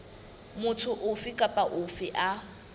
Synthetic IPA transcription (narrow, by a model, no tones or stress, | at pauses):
mʊtʰʊʔʊfikʼapʼaʔʊfɪʔa